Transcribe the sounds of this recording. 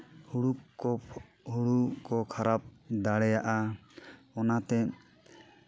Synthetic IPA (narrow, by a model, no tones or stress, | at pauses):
huɽukkɔ | huɽukɔkʰaɾap̚d̪aɽɛjaʔa | ɔnat̪ɛ